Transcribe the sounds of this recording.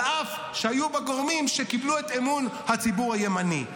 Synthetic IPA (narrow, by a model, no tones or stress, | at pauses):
ʔaf | ʃeajubeɡoʁmimʃe̞kibluet̪emunhat͡sibuʁhaje̞mani